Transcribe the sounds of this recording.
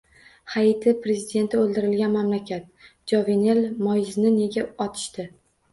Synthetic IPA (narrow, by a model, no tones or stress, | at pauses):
hajit̪ʰɪpɾe̞zɪd̪e̞nt̪ʰɪolˠd̪ɪɾɪlɡʲanmamlakʲʰat̪̚ | d͡ʒɒvene̞lmɒjznɪne̞ɡʲaɒt̪ʰɪ̥ʃt̪ɪ